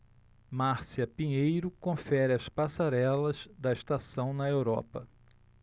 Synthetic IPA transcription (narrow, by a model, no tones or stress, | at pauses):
maɾsiɐpĩɲejɾʊkõfɛɾɪɐspasaɾɛlɐzd̪ɐɪʃt̪asɐ̃w̃nɐewɾɔ̰pɐ